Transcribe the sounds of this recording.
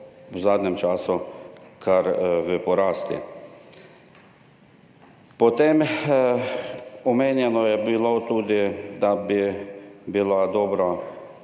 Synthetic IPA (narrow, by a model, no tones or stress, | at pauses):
wzaːd̪nɛmt͡ʃaːsukʰaɾʋəpɔɾaːst̪ḭ | pɔt̪em | ɔmeːnjɛnɔjɛbilot̪uːd̪id̪abibilad̪ɔːbɾa